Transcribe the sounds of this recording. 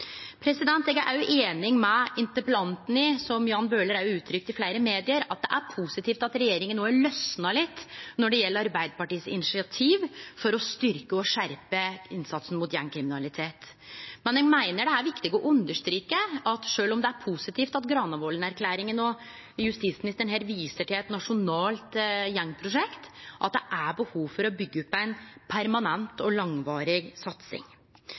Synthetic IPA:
pʰɾɛsɪd̪ɛnt̪ɛɡæʔæ̰ɾjʊʔeːnɪŋmɛɪnt̪əɾpəlɑnt̪n̩ɪsɔmjɑːnbøːləɾæɾjʊʉːt̪ʰɾʏkt̪ɪflæɪɾəmeːd̪ɪəɾɑt̪̚d̪ɛʔæɾpʰusɪt̪ʰiːft̪ɑt̪ɾɛjeːɾɪŋənːoːæɭœsnɑlɪt̪ːnɔɖɛjɛlːəɾɑɾbæɪd̪əpɑʈiːsɪ̰nɪsɪɑt̪ʰiːʋfɔɾɔst̪ʏɾkəɔʂæɾpəɪnsɑt̪sn̩mʊt̪jæŋkʰɾɪmɪnɑlɪt̪ʰeːt̪ | mɛnjɛɡmæɪnəɖɛæɾʋɪkt̪ɪɡɔʔʉnd̪əʂt̪ɾiːkəɑt̪ʂøːlɔmd̪ɛæɾpʰusɪt̪ʰiːft̪ɑt̪ɡɾɑːnɑʋɔlənæɾkʰlæːɾɪŋənɔ | jʉst̪iːt̪smɪnɪst̪əɳɦɛɾʋiːsəʈɪlɛt̪nɑʂʊnɑːlt̪jɛŋːpʰɾʊʂɛkt̪ʔɑ̰t̪̚d̪ɛʔæbəhuːʋfɔɾɔbʏɡːəʉpːæɪnpʰæɾmɑnɛnt̪ɔlɑŋʋɑːɾɪɡsɑt̪sɪ̰ŋ

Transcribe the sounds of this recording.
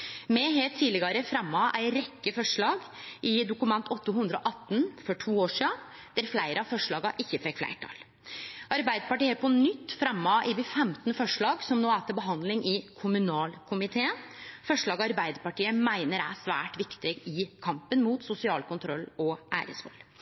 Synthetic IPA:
mɛɦeːlt̪ʰːiːlɪɡɑɾəfɾɛmːɑʔæ̰ɪɾɛkːəfɔʂɭɑːɡ | ʔɪd̪ʊkʉmɛnt̪ɔt̪ːəɦʉnd̪ɾəɔʔɑt̪ːnfɔʈʰuːoːʂiːɑ | d̪̥æɾflæɪɾəɑfɔʂɭɑːɡɑʔɪçːəfɛkːflæ̰ɪʈʰɑ̰l | ʔɑɾbæɪd̪əpɑʈiːəpɔnʏt̪ːfɾɛmːɑʔɪʋɪfɛmt̪nəfɔʂɭɑːɡsɔmnoːæːt̪əbəɦɑnd̪lɪŋʔɪkʰʊmʉnɑːlkʰʊmɪt̪ʰeːənfɔʂɭɑːɡɑɾbæɪd̪əpɑʈiːəmæɪnəɾæ̰sʋæ̰ːʈʋɪkt̪ɪɡɪkʰɑmpənmuːt̪sʊsɪɑːlkʊnt̪ʰɾɔlːɔʔæ̰ːɾə̰sʋɔ̰lː

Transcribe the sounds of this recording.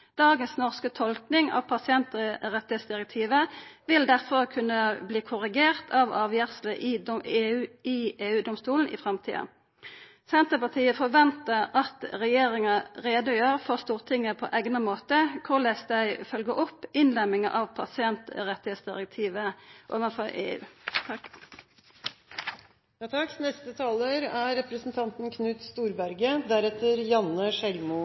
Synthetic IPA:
d̪̥ɑːɡənsnɔʁskət̪ʰɔlknɪŋɑ̰ʋpʰɑsɪɛnt̪ʁɛt̪ːɪheːt̪sd̪ɪʁɛk̚t̪ʰiːʋəʋɪld̪æʁfɔʁkʰʉnːəbliːkʰʊʁɪɡeːʁt̪ʰɑʋɑːʋjæʁsləʔɪeːʉːɪeːʉːd̪ɔmst̪uːln̩ʔɪ̰fʁɑmt̪ʰḭːɑ̰ | sɛnt̪əpɑt̪ʰiːəfɔʁʋɛnt̪əʁɑt̪ʁɛjeːʁɪŋɑʁeːd̪ʊjøːʁfɔʁst̪uːʁt̪ʰɪŋːəpʰɔ̰ʔæɡnəmoːt̪əkʰʊʁlæsd̪æɪfœlɡəʔɔpːɪnlɛmɪŋɑ̰ʔɑʋpʰɑ̰sɪɛnt̪ʁɛt̪ːɪheːt̪sd̪ɪʁək̚t̪ʰiːʋəʔɔʋəfɔʔḛːʉ̰ː | jɑt̪ʰɑknɛst̪ət̪ʰɑːləɾæɾɛpɾəsn̩t̪ʰɑnt̪n̩kʰnʉːt̪st̪uːɾbæɾɡəd̪æɾɛt̪əɾjɑnːəʃɛlmʊ

